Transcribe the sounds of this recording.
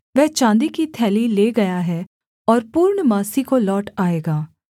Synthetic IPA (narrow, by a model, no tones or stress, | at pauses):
ʋɛɦt͡ʃãːnd̪ikit̪ʰɛːlileːɡɐjaɦɛ | ɔːɾpuːɾɳəmaːsikolɔːʈaːeːɡaː